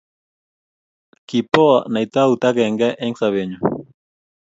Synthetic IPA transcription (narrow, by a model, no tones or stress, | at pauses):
kipoanajt̪aut̪akeŋɡɛʔeŋsaβeɲo